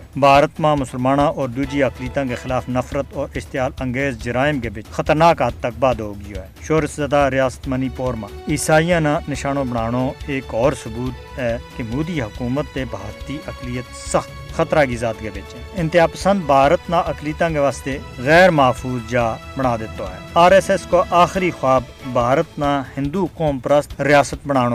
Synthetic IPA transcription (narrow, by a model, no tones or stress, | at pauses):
bʱaːɾət̪mãːmʊsəlmaːnãːʔɔːɾd̪uːd͡ʒiːɐkliːt̪ãːɡeːxɪlaːfʰnəfʰɾət̪ɔːɾɪʃt̪ɪjaːlɐ̃ŋɡeːzd͡ʒəɾaːɪmɡeːbɪt͡ʃxət̪əɾnaːkat̪ːək̚baːd̪ooɡijoːɛːʃoːɾəszɐd̪aːɾɪjaːsə̥t̪məniːpoːɾmãːiːsaːijãːnãːnɪʃaːnõːbəɽ̃aːɽ̃oːeːkɔːɾsʊbuːt̪ | ɛːkɪmuːd̪iːɦɐkuːmət̪ːeːbʱaːɾt̪iːʔɐklijət̪səxt̪xət̪ɾaːɡiːzaːt̪ɡeːʋet͡ʃɛːɪ̃nt̪ɪaːpəsə̃nd̪̚bʱaːɾət̪nãːʔɐkliːt̪ãːɡeːʋaːst̪eːɣɛːɾmaːfʰuːzd͡ʒaːbəɽ̃aːd̪ɪt̪oːɦɛ̰ːaːɾɛsɛskoːʔaːxɪɾiːxaːb | bʱaːɾət̪nãːhɪ̃nd̪uːkoːmpɾəst̪ɾɪjaːsət̪̚bəɽ̃aːɽ̃oː